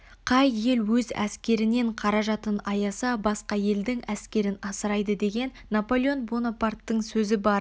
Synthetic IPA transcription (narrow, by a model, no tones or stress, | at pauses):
qʰɑjːe̞lwɵzæ̰skʲe̞ɾɪne̞ɴqʰɑɾɑʒɑt̪ənɑjɑsɑbɑsqɑje̞ld̪ɪŋæskʲe̞ɾɪnɑsəɾɑjd̪əd̪e̞ɡʲe̞nːapo̞lʲɪo̞nbonopart̪ːəɴsɵzɪbɑɾ